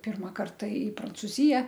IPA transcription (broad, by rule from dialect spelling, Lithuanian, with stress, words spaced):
ˈpʲɪrmɐ ˈkɐrtɐ ɪ prɐnt͡sʊˈzʲɪjɛ